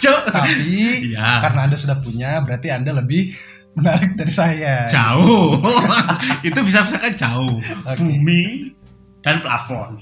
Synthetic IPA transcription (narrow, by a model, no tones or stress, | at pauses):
t͡ʃot̪apiijakarənaːndasudahpuɲabəɾart̪iandaləbɪh | mənalak̚daɾisajat͡ʃau | it̪ubisabisakant͡ʃaʊokbuemi | d̥anpla̰fɔn